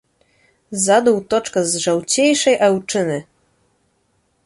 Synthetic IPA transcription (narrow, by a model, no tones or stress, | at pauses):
zad̪uwt̪ɔt͡ʂkazʐawt͡ɕejʂɛjʔɛwt͡ʂɘnɘ